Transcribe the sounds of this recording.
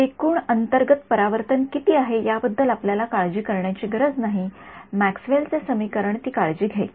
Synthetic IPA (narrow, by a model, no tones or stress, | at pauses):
ekuːɳənt̪əɾɡət̪pəɾaʋəɾt̪ənkit̪iːaɦejabəd̪ʱːəlapljalakaɭd͡ʑiːkəɾɳjat͡ɕiːɡəɾəd͡znaɦimæksʋelt͡sesəmiːkəɾəɳt̪iːkaɭd͡ʑiːɡʱe